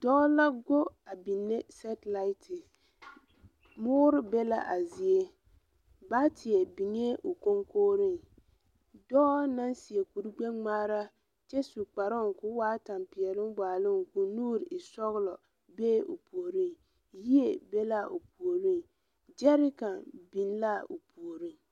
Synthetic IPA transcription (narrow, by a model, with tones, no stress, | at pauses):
dɔ˦la˦ɡo˦a˨bi˨nːe˦sɛ˦tla˦ɪ˦tʰɪ˨ | mʊː˦ɾɪ˦bɛ˦la̰˦ʔa˨zɪ˨e˦ | ba˦tɪ˨ɛ˨bi˨ŋe˦ʔo˨ko˦ŋkoː˦ɾɪ˦ŋ | dɔ˦na˦nsi˨ɛ˨ku˨ɾi˦ɡ͡bɛ˦ŋŋ͡maː˦ɾa˦ | t͡ʃɛ˦su˨k͡pa˨ɾʊ˦˨ŋ˨kʊ˦waː˦ta˨mpɪ˨ɛ˨lɪ˦m˦baː˨lʊ˦ŋkʊ˨nuː˦ɾʔɪ˨sɔ˦ɣʊ˦lɔ˨ | beː˦o̰˨pu˨o˨ɾi˦ŋ | ji˦e˦˨be˦la˦ʔo˨pu˨o˨ɾi˦ŋ | d͡ʒɛ˦ɾɪ˦ka˨bi˨n˦la˦o̰˨pu˨o˨ɾi˦ŋ